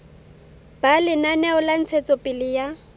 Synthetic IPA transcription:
b̥alɪnanɛʊlan̩t͡sʰɛt͡sʼɔpʼɪlɪja

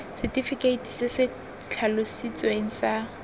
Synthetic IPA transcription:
sɪtʼifikʼeitʰi̥sɪsɪ | t͡ɬʰalʊsit͡sʼweŋ̩sa

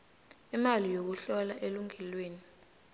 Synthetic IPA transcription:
imalijok̬uɬɔlaʔeluŋʱɛlweːni

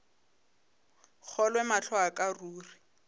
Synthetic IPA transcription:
k͡xʰɔlwɛmaɬʰɔakʼaruːri

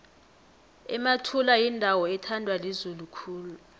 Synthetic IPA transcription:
ɛmatʰulajindʱawɔɛtʰandʱwalezulukʰuːlu

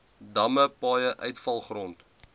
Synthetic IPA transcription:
dɐməpɑːjəʔœɥtfɐlˠχrɔnt

